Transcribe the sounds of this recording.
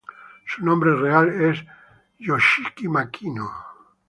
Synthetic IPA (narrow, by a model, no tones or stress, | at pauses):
sunõmbɾereales | joʃikimakʰino